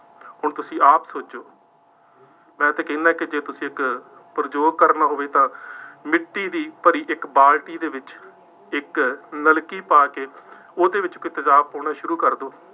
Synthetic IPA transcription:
hʊɳt̪ʊsĩːʔaːpsoːd͡ʒoː | mɛ̃ːət̪ẽːkɛ̃ːnaːɛːkɪd͡ʒeːt̪ʊsĩːɪk | pəɾd͡ʒoːɡ̚kəɾnaːɦoːʋeːt̪ãːmɪʈːiːd̪iːpəɾiːʔɪkbaːlʈiːd̪eːʋɪt͡ʃ | ɪknəlkiːpaːkeː | oːd̪eːʋɪt͡ʃkoːiːt̪əzaːb̚põːñaːʃʊɾuːkəɾd̪oː

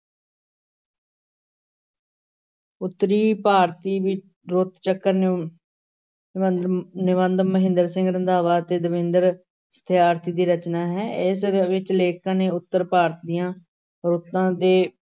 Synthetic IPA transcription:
ʊt̪ːəɾiːpaːɾt̪iːʋɪ | ɾʊt̪t͡ʃəkːəɾ | nɪʋənd̪məɦɪ̃nd̪əɾsɪ̃ŋɡɾə̃nd̪aːʋaːt̪eːd̪əʋɪ̃nd̪əɾ | sə̥t̪ʰeːaːɾt̪ʰiːd̪iːɾət͡ʃnaːɦɛːɪsʋɪt͡ʃleːkãːneːʊt̪ːəɾpaːɾt̪d̪ijãː | ɾʊt̪ːãːd̪eː

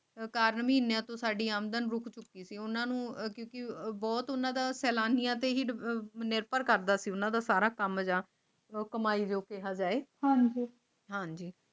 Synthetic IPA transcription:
kaːɾnməɦiːnjãːt̪õːsaːɖiːaːmd̪ənɾʊkʰt͡ʃʊkːiːsiːʊnãːnũːkjõːkɪbɔːt̪ʊnãːd̪aːsɛːlaːnijãːt̪eːɦiːnɪɾpəɾkəɾd̪aːsiːʊnãːd̪aːsaːɾaːkəmd͡ʒãː | kəmaːiːd͡ʒoːkeɦaːd͡ʒaːeːhãːɲd͡ʒiː | ɦãːɲd͡ʒiː

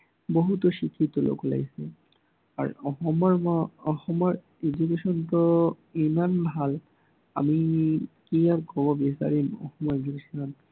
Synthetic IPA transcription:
boɦutɔʃikʰitɔlo̰kɔla̰jsɛ | a̰ɹɔxɔmɔɹɔxɔmɔɹ | ed͡ʒukesɔntɔ | imanbʱal | a̰mikijapkɔbɔbisa̰ɹimɔ̰xɔmɔjɡɹisɔn

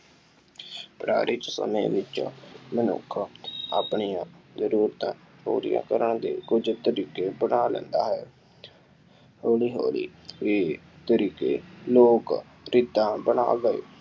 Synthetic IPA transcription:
pɾa̰ːɾɪt͡ʃsə̰mẽːʋɪt͡ʃmənʊ̰kʰaːpɳijãːzəɾuːɾt̪ãː | ɦo̰ːɾijã̰ːkəɾəɳd̪eːkʊd͡ʒt̪əɾiːkeːbənaːlɛ̰̃ːnd̪aːɦɛː | hoːliːɦo̰ːlḭːeː | t̪əɾiːkeːloːk | ɾɪd̪ãːbəɳa̰ːɡəḛː

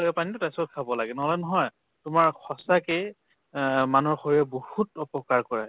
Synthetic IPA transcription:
lɔɡɛpanitʊtasɔt̚kʰabɔlaɡɛnɔɦɔlɔnɔɦɔj | tʊmaɹxɔsakɛ | manɔɹxɔɹijɛbohutɔpɔkaɹkɔɹa

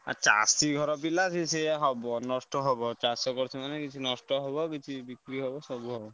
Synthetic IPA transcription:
a̰ɾt͡ʃa̰siɡʱɔɾɔpilasʰiseɦɔbɔnɔsʈɔɦɔbɔt͡ʃasɔkɔɾt͡ʃʰimanekit͡ʃʰinɔsʈɔɦɔbɔkit͡ʃʰibikɾiɦɔbɔsɔbuɦɔbɔ

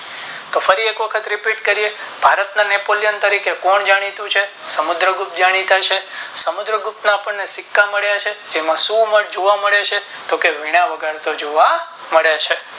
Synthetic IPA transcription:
t̪ofəɾiekʋəkʰət̪ɾipiʈkəɾiebʱaɾət̪nanepolijənt̪əɾikekɔɳd͡ʒaɽ̃it̪ũt͡ʃʰe | səmud̪ɾəɡupt̪̚d͡ʒaɽ̃it̪ʰat͡ʃʰesəmud̪ɾəɡup̚t̪naːpəɳnesɪkːaməɭjat͡ʃʰed͡ʒemãsũməʈd͡ʒoʋaməɭet͡ʃʰet̪okeʋiɽ̃ãʋəɡəɾt̪od͡ʒoʋa | məɭjet͡ʃʰe

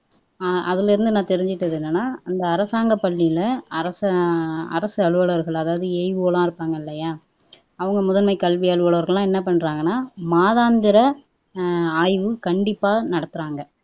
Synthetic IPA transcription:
ʔɐðɪlɪɾɯnd̪ɯnãːt̪ɛɾɪɲd͡ʒɪʈːɐðɯnːɐnːaːɐnd̪ɐːɾɐsaːŋɡɐpːɐɭːijlɐɐɾɐs | ɐ̰ɾɐsɯɐɭɯʋɐɭɐɾɣɐɭɐðaːʋɐðɯeɪʋɯɣɐlãːɪɾɯpːaːŋɡɐɪlːɐjaː | ɐʋɐŋɡɐmʊðɐnmɐɪkɐlʋɪjɐɭɯʋɐɭɐʋɐɾɣɐɭlːãːɛnːɐpɐɳːɾaːŋɡɐnːaːmaːðaːnd̪ɪɾɐ | aːjʋɯkɐɳɖɪpːaːnɐɽɐt̪ːɯɾaːŋɡɐ

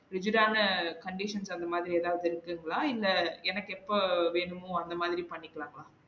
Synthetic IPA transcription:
ɾɪd͡ʒɯɾaːnɐkɐɳɖɪʂɐnsɐnd̪ɐmaːðɪɾieːðaːʋɐðɯɪɾɯkːɯŋɡɐɭaːɪlːɐɛnɐkːɛpːoʋeːɳɯmõːɐnd̪ɐmaːðɪɾipɐɳːɪkːɐɭaːŋɡɐɭaː

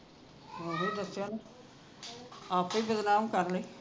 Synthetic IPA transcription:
oɦĩːd̪əsːjaːn | aːpiːbəd̪naːmkəɾləiː

